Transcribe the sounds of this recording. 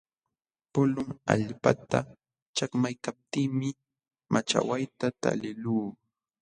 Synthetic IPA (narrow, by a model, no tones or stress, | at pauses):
pʊlʊŋa̰ʎpat̪a̰ | t͡ʃakmajkap̚t̪iːmɪ | mʔat͡ʃa̰wajt̪at̪a̰lɪluː